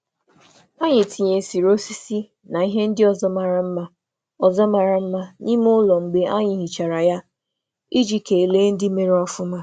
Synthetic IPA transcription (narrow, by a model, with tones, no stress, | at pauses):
a˦ɲɪ˨ti˨ɲe˨si˨ɾo˦si˦si˦ | na˨i˦ɦe˦n̩˦dɪ˦ɔ˨zɔ˦ma˨ɾa˨m̩˦ma˦ | ɔ˨zɔ˦ma˨ɾa˨m̩˦ma˦ni˦mʊ˦lɔ˨ŋ͡m̩˨ɡ͡be˦ʔa˦ɲɪ˨˦ɦi˨t͡ʃa˨ɾa˨ja˦ | i˦d͡ʒi˦ke˨e˨le˦n̩˦dɪ˦me˨ɾe˦ɔ˦fʊ˦ma˦